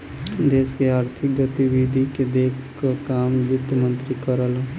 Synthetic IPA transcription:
d̪eːskeaːɾt̪ʰɪk̚ɡət̪iwid̪ʱiked̪eːkʰkakaːmjʊt̪əmə̃nt̪ɾikəɾəl

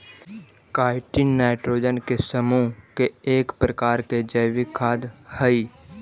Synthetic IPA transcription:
kaːɪʈinːaːɪʈɾoːd͡ʒənkesəmukeeːkpɾəkaːɾked͡ʒəjʋikʰaːd̪həi

